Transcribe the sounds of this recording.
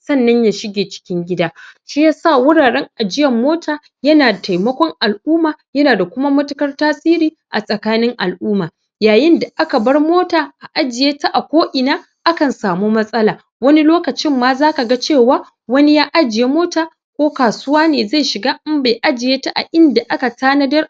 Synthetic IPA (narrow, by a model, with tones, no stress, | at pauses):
sɐ˦˨nːɐ˦ɲja˦ʃɪ˦ɡʲeː˨t͡ʃɪ̥˦kʲɪ˦ŋɡʲɪ˦daː˦ʃi˦ja˦saː˦˨wʊ˦ɽaː˨ɽɛ˦ŋʔa˨d͡ʒɪ˦jɐ˨mːoː˦tʰaː˨ | jɐ˦naː˨dta˨jmɐ˦kʷɔ˦ŋʔa˨lʔuː˦maː˨jɐ˦naː˨da˨kʷʊ˦ma˦mɐ˦tʊ˦kɐ˦rtaː˦sʼiː˦ɾiː˦ | ʔa̰˨sʼɐ˨kaː˦nɪ˦ŋʔa˨lʔuː˦maː˨ | jaː˨jɪ˦nda˨ʔa˦ka˨bɐ˦rmoː˦taː˨ʔa˨ʔa˦d͡ʒɪ˨jeː˦ta˦ʔa˨kʷoː˦ʔɪ˨naː˦ | ʔa˦kɐ˨nsaː˨muː˦mɐ˦sʼɐ˦laː˨ | wɐ˦ni˦loː˦kɐ˨t͡ʃɪ˦mːaː˦zaː˦ka˨ɡa˦t͡ʃeː˦˨waː˦ | wɐ˦ni˦jaː˦ʔa˦d͡ʒɪ˨je˦moː˦taː˨ | kʷoː˦kaː˨sʊ˦waː˦neː˨za˦˨jʃɪ˨ɡaː˦ʔɪ˦mba˨jʔa˦d͡ʒɪ˨jeː˦ta˦ʔa̰˨ʔɪ˦nda˨ʔa˦ka˨taː˦nɐ˦dɐ˦r